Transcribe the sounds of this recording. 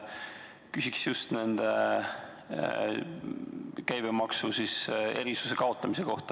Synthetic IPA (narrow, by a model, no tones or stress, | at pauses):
kysʲiksjust̪ne̞nd̪̥e | kæjb̥emɑksusise̞̰ɾisu̥se̞kɑo̞t̪ˑːɑmiseko̞ht̪ɑ